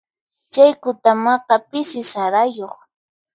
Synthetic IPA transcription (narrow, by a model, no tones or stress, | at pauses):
t͡ʃajkʊt̪amɑqɑpɪsɪsaɾajoχ